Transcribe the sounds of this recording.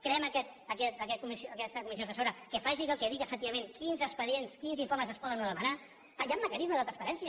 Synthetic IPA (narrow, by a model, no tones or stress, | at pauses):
kɾeɛməkɛt̪əkɛt̪əkɛt̪̚kumisjoəkɛst̪əkumisjosəsoɾəkəfaʒiɣəlˠkɛðiɣəfək̚t̪iβɐmẽŋkinzəspəðienskinziɱfoɾməzəspɔðənuðəmana | ajamːəkənizməðət̪ɾənspəɾɛnsiə